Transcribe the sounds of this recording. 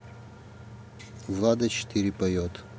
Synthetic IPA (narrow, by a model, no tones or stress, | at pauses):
vlˠad̪ɐt͡ʃɪ̥t̪ʰiɾʲɪpɐjot̪